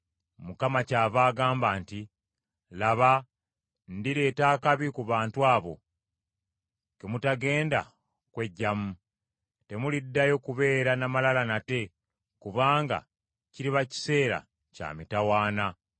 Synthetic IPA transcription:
mukamacaːβaːɡaːmbaːnti | laβa | ndiɾe̞ːtaːkaβikuβaːntwaːβo̞̰ | kemutaɡe̞ːnda̰ | kwe̞ɟːamu | te̞mulidːajo̞kuβe̞ːɾanamalalanate̞ | kuβaːŋɡa̰ | ciɾiβaci̥se̞ːɾa̰ | ca̰ːmitawaːna

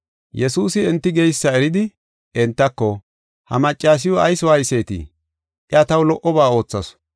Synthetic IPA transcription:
jɛsuːsɪɛnt̪ːɪɡɛjsːɐɛɾɪd̪ɪ | ɛnt̪ːɐkːɔ | hɐmɐt͡ʃʼːaːs̬ɪjɔɐjsɔwaːjse̞ːt̪ḭ | ʔɪɐt̪ɐwlɔʔɔbaːo̞ːt͡sːɐs

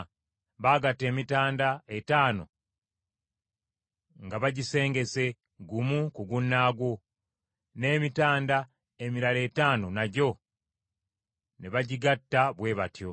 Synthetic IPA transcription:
βaːɡatːe̞ːmitaːndaetaːno | ŋɡaβaɟise̞ːŋɡe̞se̞ | ɡumukuɡunːaːɡwo̞ | ne̞ːmitaːnda | e̞miɾale̞ːtaːno̞naɟo̞ | neβaɟiɡatːaβwe̞ːβatjo̞

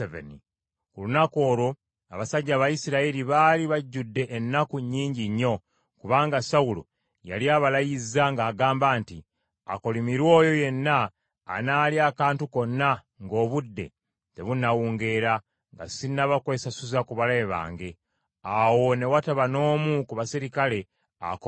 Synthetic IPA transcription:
evḛni | kulunako̞ːɾo | a̰βasaɟːaβajisiɾailiβaliβaɟːudːe̞ʔːnːakuɲːiːɲɟiɲːo̞ | kuβaːŋɡasawulo̰ | ja̰liaːβalajizaŋɡaːɡaːmbaːnti | a̰ko̞limiɾwo̞ːjo̞je̞nːa̰ː | naːliakaːntuko̞nːa | ŋɡo̞ːβudːe̞̰ | te̞βunːawuːŋɡe̞ːɾa | ŋɡa̰sinːaβakwe̞ːsasuzakuβaleβa̰ːŋɡe̞ | awo̞ne̞wataβano̞ːmukuβasiɾikale̞ | a̰k

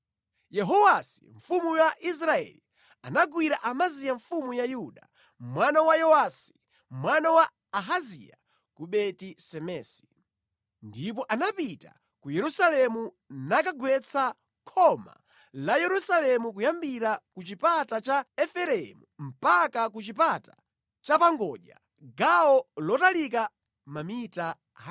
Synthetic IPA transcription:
jɛɦɔwasi̥̰ɱfumujaʔis̬ɾaɛ̰li | anaɡwiɾaʔamazijaɱfumujajuɗa̰ | mwanawajɔwasi̥ | mwanawaː | ɦazḭja̰ | kuɓɛtisɛmɛːsi̥ | ndip̬ɔʔanapita̰ | kujɛɾusalɛmu | nakaɡwɛt͡sʰa | kʰɔma̰ | lajɛɾusalɛmukujambiɾakut͡ʃipatat͡ʃaɛfɛɾɛmum̩pakakut͡ʃipata | t͡ʃapaŋɡɔʄa̰ | ɡaɔlɔtalik̬a | mamita | ɦ

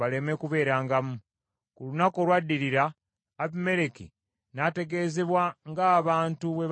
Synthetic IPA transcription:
ale̞me̞kuβe̞ːɾaːŋɡamu | kulunako̞lwadːiɾiɾaː | βime̞ɾeki | nate̞ɡe̞ːze̞βwaŋɡaːβaːntuβe̞β

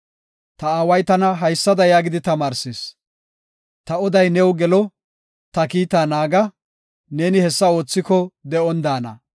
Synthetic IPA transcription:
t̪ɐaːwɐjt̪ɐnɐɦɐjsːɐd̪ɐjaːɡɪd̪ɪt̪ɐmaːɾses | t̪ɐɔd̪ɐjnɛwɡɛlɔ | t̪ɐkiːt̪aːnaːɡɐ | ne̞ːnɪhɛsːɐo̞ːt͡sːɪkɔd̪ɛɔnd̪aːnɐ̰

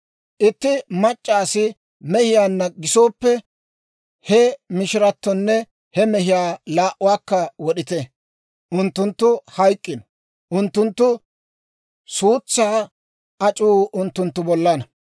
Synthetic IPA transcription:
ʔɪt̪ːɪmɐt͡ʃʼːaːsɪ | mɛhɪjaːnːɐɡɪso̞ːpːɛ | hɛmɪʃɪɾɐt̪ːɔnːɛ | hɛmɛhɪjaːlaːʔʊwaːkːɐwɔɗɪt̪ɛ | ʔʊnt̪ːʊnt̪ːʊhɐjkʼːɪnɔ | ʔʊnt̪ːʊnt̪ːʊ | suːt͡sːaː | ɐt͡ʃʼuːʊnt̪ːʊnt̪ːʊbɔlːɐnɐ

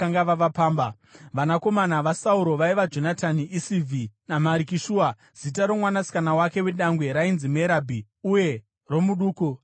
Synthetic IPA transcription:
aŋɡaʋaʋapaːmba | ʋanako̞manaʋasauɾo̞ʋaiʋad͡ʒo̞natʰaniʔisivʱinamaɾikiʃuːa | z̥itaɾo̞mwanasi̥kanawake̞we̞ɗaŋɡwe̞ɾainzime̞ɾabʱi | uje̞ | ro̞muɗuːku

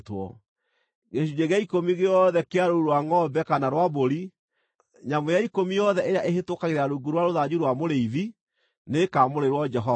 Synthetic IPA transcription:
twɔ̰ | ɣeɕ̬ud͡ʒeɣeaikomiɣeɔðɛkeaɾouɾwaŋɔbɛkanaɾwaboɾi | ɲamojaikomijɔðɛʔeɾjaʔeɦetokaɣeɾaɾuɡuɾwaɾoðad͡ʑuɾwamoɾeiði | nekamoɾeɾwɔd͡ʒɛɦɔ

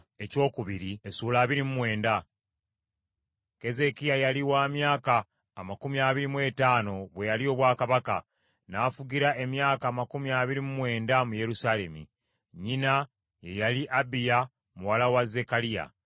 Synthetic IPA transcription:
e̞co̞ːkuβiɾie̞suːlaːβiɾimumwe̞ːnda | ke̞ze̞kijajaliwaːmjaːkaː | makumiaːβiɾimwe̞ːtaːno̞βwe̞jalio̞ːβwaːkaβaka | naːfuɟiɾaʔe̞mjaːkaːmakumiaːβiɾimumwe̞ːndamuje̞ɾusale̞mḭ | ɲina | je̞jaliʔabija | muwalawaze̞kalija̰

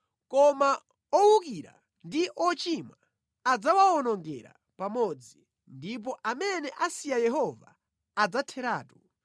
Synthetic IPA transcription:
kɔma | ɔwuk̬iɾa̰ | ndiʔɔt͡ʃima | ad͡zawaɔnɔŋɡɛ̰ɾa̰ | pamɔd͡zi | ndip̬ɔʔamɛnɛʔasijajɛɦɔvaː | d͡zatʰɛɾaːtu

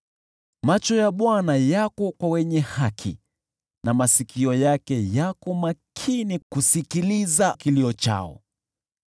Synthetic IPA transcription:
mat͡ʃɔjaɓwanajakɔkwawɛɲɛhakʰḭ | namasikʰiɔjakɛjakɔmakʰinikusikilizakiliɔt͡ʃa̰ɔ̰

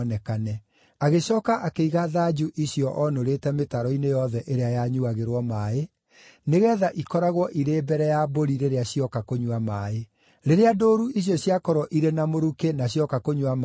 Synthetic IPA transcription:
nɛkanɛ | aɣeɕɔːkaʔakeiɣaðad͡ʑuʔiɕjɔʔɔnoɾetɛmetaɾɔinejɔðɛʔeɾeajaɲuaɣeɾwɔmaːe | neɣɛːðaʔikɔɾaɣwɔʔiɾeːbɛɾɛjaboɾiɾeɾeaɕiɔkakoɲuwamae | ɾeɾeadoːɾuiɕ̬jɔɕjakɔɾɔʔiɾenamoɾukenaɕjɔkakoɲuwam

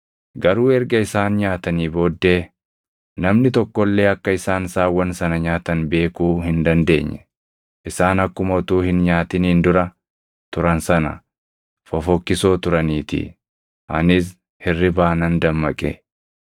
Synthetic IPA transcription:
ɡɐɾuːɛɾɡɐɪsaːnɲaːt̪ɐniːbo̞ːd̪ːe̞ː | nɐmnɪt̪ɔkːɔlːe̞ːɐkːɐɪsaːnsaːwɐnsɐnɐɲaːt̪ɐnbe̞ːkuːhɪnd̪ɐnd̪e̞ːɲːɛ | ʔɪsaːnɐkːʊmɔt̪uːhɪnɲaːt̪ɪniːnd̪ʊɾɐ | t̪ʊɾɐnsɐnɐ̰ | fɔfɔkːɪso̞ːt̪ʊɾɐniːt̪ḭ | ʔɐ̰nɪs̬ | hɪrːɪbaːnɐnd̪ɐmːɐkʼḛː

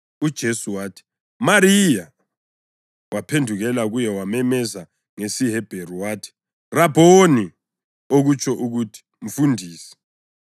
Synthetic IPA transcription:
ud̥ʒ̥ʱesuwaːtʰi̥ | maɾija | wapʰendʱuɣɛlaɣujɛwamɛmɛza | ŋesiɦɛb̥ʱeɾuwaːtʰi̥ | rab̥ʱoni | oɣut͡ʃʰʼɔʔuɣutʰi̥ | ɱ̩fundʱiːsɛ̥

